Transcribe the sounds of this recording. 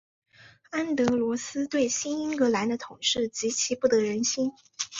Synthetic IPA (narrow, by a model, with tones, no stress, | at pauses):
a˥nt̪ɤ˧˥lwɔ˧˥sɹ̩˥t̪we˥˩ɪɕi˥ni˥nkɤ˧˥la˧˥nd̪ə˧t̪ʰʊ˨˩ŋʂɻ̩˥˩t͡ɕi˧˥t͡ɕʰi˧˥pu˥˩t̪ɤ˧˥ɻə˧˥nɕi˥n